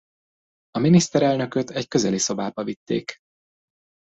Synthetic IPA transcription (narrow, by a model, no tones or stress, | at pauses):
ɒminist̪ɛɾɛlnø̞køt̪ɛckø̞zɛliso̞baːbɒvit̪ːḛːk